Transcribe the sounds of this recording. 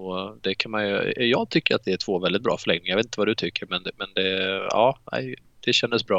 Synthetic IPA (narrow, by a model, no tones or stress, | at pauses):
ɔd̪ɛkʰanmanjɵjɑːɡ̚t̪ʰʏkːəjat̪̚d̪ɛæʈ̪ʰv̥oːvɛld̪ɪt̪̚bɾɑ̰ːfəɭɛŋnɪŋajveːt̪əvad̪ɵt̪ʰʏkːəɾmɛnmɛnd̪ɛɑ̰ːnæ̰ɪ | d̪̥ɛɕɛnd̪əsbɾɑː